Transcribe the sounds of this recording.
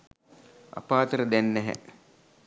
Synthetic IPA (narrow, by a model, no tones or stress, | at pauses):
a̰paːt̪əɾəd̪ænːɛɦɛ̰